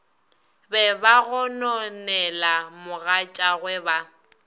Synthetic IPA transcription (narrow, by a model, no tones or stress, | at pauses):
bɛbaɣʊnɔnɛlamʊɣat͡ʃʼaɣwɛba